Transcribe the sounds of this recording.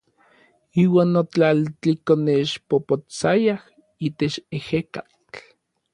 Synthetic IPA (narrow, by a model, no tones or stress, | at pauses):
iːwaːnːot͡ɬalt͡ɬikoneʃpopot͡sajah | iːt̪et͡ʃeheka | t͡ɬ